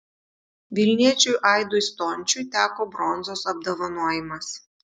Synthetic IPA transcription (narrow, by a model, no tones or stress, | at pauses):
ʋʲɪlʲnʲiɛt͡ʃʲujʔɑˑɪd̪ʊst̪ɔnʲt͡ʃʲʊt̪ʲæːkoːbɾɔnzoːsɐb̚d̪ɐʋɐnuɔjɪmɐs